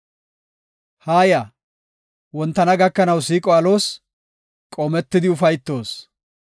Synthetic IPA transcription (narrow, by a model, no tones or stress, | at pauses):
haːja | wɔnt̪ːɐnɐɡɐkːɐnɐwsiːkʼɔɐlo̞ːs | kʼoːmɛt̪ːɪd̪ɪʊfɐjt̪ːo̞ːs